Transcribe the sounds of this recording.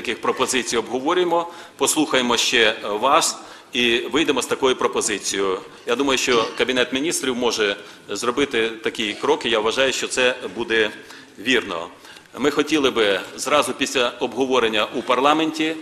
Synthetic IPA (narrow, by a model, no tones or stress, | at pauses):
ɐkɪxpɾɔpɔzɪt͡sʲijɔbɦɔʋɔɾʲjemɔpɔslˠuxɐjemɔʃt͡ʃɛʋɑs | iʋɪjd̪emɔst̪ɐkɔjʊpɾɔpɔzɪt͡sʲijʊ | jad̪umɐjʊʃt͡ʃɔkɐbʲinɛt̪mʲinʲist̪ɾʲiwmɔʒɛ | zrɔbɪt̪ɪt̪ɐkʲikɾɔkɪjaʋɐʒɑjʊʃt͡ʃɔt̪sɛbud̪ɛ | ʋʲirnɔ̰ | mɪxɔtʲilˠɪbɪzrɑzʊpʲisʲlʲɐɔbɦɔʋɔɾenʲːɐʔupɐrlˠɑmenʲtʲi